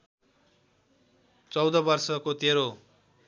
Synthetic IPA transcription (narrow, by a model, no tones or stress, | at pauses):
t͡sʌwd̪ʌbʌrsʌkot̪eɾo